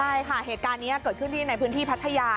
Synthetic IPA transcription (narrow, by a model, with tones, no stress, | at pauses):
aː˥˩jkʰa˥˩heː˨˩t̚kaː˧nːiː˦˥ɐ˧kɤː˨˩t̪̚ʰɯ˥˩ənt̪ʰiː˥˩na˧jpʰɯː˦˥nt̪ʰiː˥˩pʰa˦˥t̪ʰːa˧jaː˧